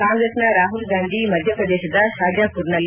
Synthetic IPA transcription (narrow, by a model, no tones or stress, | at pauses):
kaːŋɡɾesnɐɾaːɦulɡaːnd̪ʱimɐd̪ʱjɐpɾɐd̪eːʃɐd̪ɐʃaːɡ̪jaːpuɾɳɐlː